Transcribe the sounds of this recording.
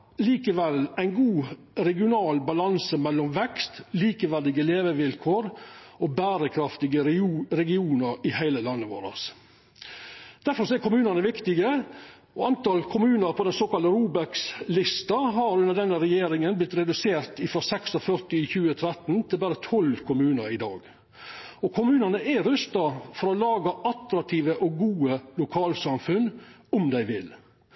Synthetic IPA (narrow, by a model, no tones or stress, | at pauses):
liːkəʋɛlæɪnɡuː | ɾɛɡɪʊnɑːlbɑlɑnsəmɛlːɔmʋɛkst̪liːkəʋæd̪ɪɡəleːʋəʋɪlkʰoːɾobæːɾəkʰɾɑft̪ɪɡəɾɛɡɪuːnəɾɪhæɪləlɑnːəʋo̰ːɾɑ̰s | d̪̥æɾfɔɾsɔæɾkʰʊmʉːnənəʋɪkt̪ɪɡə | ɔɑnt̪ɑːlkʰʊmʉːnəɾpʰɔd̪ɛnsoːkɑlt̪əɾuːbækslɪst̪ɑɦɑɾʉnəd̪ɛnːəɾɛjeːɾɪŋənblɪt̪ɾɛd̪ʉseːɾt̪ɪfɾɔsɛksɔfœɾt̪ɪçʉːət̪ʰɾɛt̪nt̪ʰɪlbæːɾət̪ʰɔlkʰʊmʉːnəɾɪd̪ɑ̰ːɡ | ɔkʰʊmʉːnənəʔɛɾʉst̪ɑfɔɾɔlɑːɡɑʔɑt̪ɾɑk̚t̪ʰiːʋəʔɔɡuːəlʊkʰɑːlsɑmfʉnɔmd̪æɪʋɪl